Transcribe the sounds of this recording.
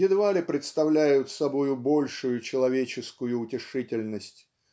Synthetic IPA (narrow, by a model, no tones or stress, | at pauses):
jɪd̪valʲɪpɾʲɪt̪st̪ɐvlʲæjʊt̪sɐbojʊbo̞lʲʂʊjʊt͡ɕɪlˠɐvʲet͡ɕɪskʊjʊːtʲɪʂɨtʲɪlʲnəsʲtʲ